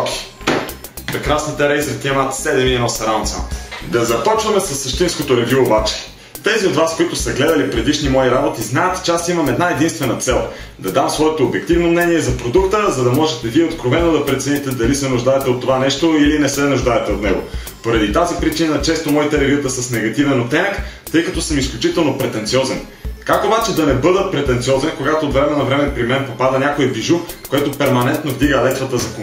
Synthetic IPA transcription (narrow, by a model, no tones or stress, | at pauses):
ki̥ | pɾɛkɾasnit̪ɛɾɛjzɾt̪iɛmat̪sɛd̪ɛmiɛnɔsɐɾant̪sə̰md̪ɐzɐpɔt͡ʃvɐmɛsɐsːɐʃt̪inskot̪oɾɛvjuobat͡ʃi̥ | t̪ɛziod̪vaskoit̪ʊsɐɡlɛd̪ɐlipɾɛd̪iʃnimɔiɾabot̪iznaɛt̪t͡ʃɛasimɐmɛd̪naɛd̪inst̪vɛnɐt̪sɛlˠ | d̪ɐd̪amsvɔɛt̪oːbjɛk̚t̪ivnomnɛniɛzɐpɾod̪ukt̪əzɐd̪ɐmɔʒɛt̪ɛviɛot̪kɾovɛnːod̪ɐpɾɛt̪sɛnit̪ɛd̪ɐlisɛnʊʒd̪aɛt̪ɛot̪ːovanɛʃt̪oilinɛsɛnuʒd̪aɛt̪ɛot̪nɛ̰ɡo̰ | poɾɐd̪it̪azipɾit͡ʃinət͡ʃɛst̪omɔit̪ɛlɛviət̪əsəsnɛɡɐt̪ivɛnot̪ɛnəkt̪ɤjkɐt̪ɔsəmisklʲut͡ʃit̪ɛlˠnopɾɛt̪ɛnt̪siɔzɛn | kakobat͡ʃɛd̪ɐnɛbɤd̪əpɾɛt̪ɛnt̪siɔzɛnkoɡat̪oːt̪vɾɛmɛnɐvɾɛmɛpɾimɛnpopad̪ənʲakoɛbiʒukoɛt̪opɛɾmɐnɛnt̪novd̪iɡəlɛt̪vɐt̪əzɐko